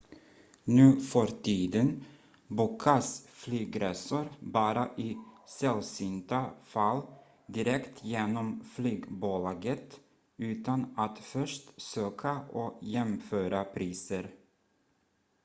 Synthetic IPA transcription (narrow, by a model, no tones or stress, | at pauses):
nʉ̟ːfɔɾt̪ʰiːd̪ən | buːkʰasflyːɡɾɛsʊɾbɑːɾaʔɪsɛlsʏnt̪afalː | d̪ɪɾɛkt̪ʰjeːnɔmflyːɡbulɑːɡət̪ | ʉ̟ːt̪anat̪fœʂʈsøːkʰaʔɔjɛmføːɾapʰɾiːsəɾ